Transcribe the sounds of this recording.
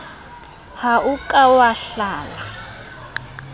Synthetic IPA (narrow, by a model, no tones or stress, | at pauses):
haʔukʼawaɬaːla